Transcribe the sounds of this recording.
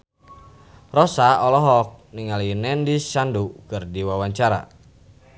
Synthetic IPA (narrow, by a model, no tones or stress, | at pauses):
rɔsaɔlɔɦɔk̚niŋalinɛndist͡ʃandukɨrdiwawaɲt͡ʃaɾa̰